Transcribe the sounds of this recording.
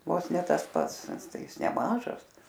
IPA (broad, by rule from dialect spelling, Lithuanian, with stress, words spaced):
ˈʋoːs ˈnʲɛ ˈtɐs ˈpɐts ˈtɐɪ ˈɪs nʲɛˈmɑːʒɐs